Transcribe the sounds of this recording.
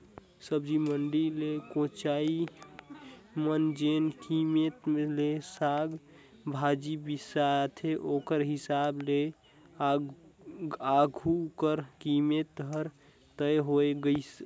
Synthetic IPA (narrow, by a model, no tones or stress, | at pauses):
səbd͡ʒiməɳɖilekõt͡ʃai | mənd͡ʒenkimet̪melesaɡ | bʱad͡ʒibisat̪ʰeʔokəɾɦisable | aɡʱukəɾkimet̪̚əɾ | t̪əjɦoeɡəs